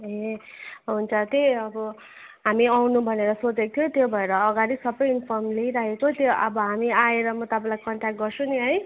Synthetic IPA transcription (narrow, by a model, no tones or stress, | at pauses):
ɦe | ɦunt͡sʰʌt̪eʌbʌ | ɦamiawnũbʱʌneɾʌsot͡sek̚t̪ʰjot̪jobʱʌeɾʌːɡaɾisʌbʌjinpʰʌrmleɾaɦekot̪joʔʌbʌɦamiaeɾʌmʌt̪ʌpãlajkʌɳʈak̚ɡʌrt͡sʰũniɦʌj